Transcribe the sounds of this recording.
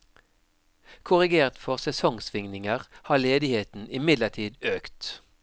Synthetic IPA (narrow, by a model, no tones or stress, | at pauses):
kʰʊʁɪɡeːʁt̪fɔʁsɛsɔŋsʋɪŋnɪŋəʁhɑːleːd̪ɪheːt̪n̩ʔɪmɪd̪ləʈʰiːd̪øːkt̪